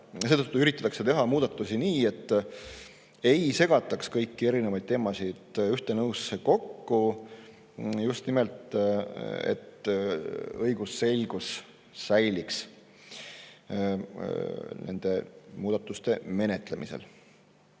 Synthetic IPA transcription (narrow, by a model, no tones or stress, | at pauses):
se̞ːt̪ɤt̪ːuyɾit̪ːˑɑt̪ːˑɑkse̞t̪e̞ɦɑmuːd̪̥ɑt̪ːˑusiniːe̞t̪ː | e̞jse̞ɡ̥ɑt̪ːˑɑkskɤjkːie̞ɾinevɑjd̪̥̚t̪e̞ːmɑsid̪̥yht̪e̞nɤwseko̞kːu | just̪nimelt̪ | ḛt̪ | ɤjɡuse̞lʲɡ̥usː | æjliks | ne̞̰nd̪̥e̞muːd̪̥ɑt̪ːˑust̪e̞me̞ne̞t̪ˑle̞mʔḭse̞̰l